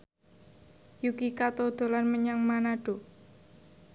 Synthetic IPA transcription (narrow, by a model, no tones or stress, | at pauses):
jukikat̪od̪̥o̤lanməɲaŋmanaɖ̥o̤